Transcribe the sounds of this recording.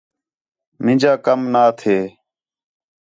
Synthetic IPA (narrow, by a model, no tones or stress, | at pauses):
mɪ̃d͡ʒaːkəmnaːt̪ʰeː